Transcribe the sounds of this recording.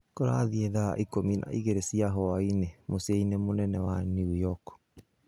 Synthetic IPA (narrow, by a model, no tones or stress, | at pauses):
koɾa̰ðiɛða̰ʔikominʔa̰ʔiɣeɾesiaɦɔainemosainemonɛnɛwaniujɔk